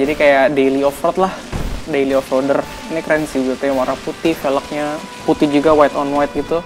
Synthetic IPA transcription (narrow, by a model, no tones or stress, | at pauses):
d͡ʒadikajadejliɔfɾɔt̪̚lahdejliɔfɾɔdər | nikɾɛnsibut̪ut̪awaɾaŋput̪ɪhfelək̚ɲa | put̪ɪhd͡ʒuɡawajt̪ɔnwajt̪̚ɡit̪u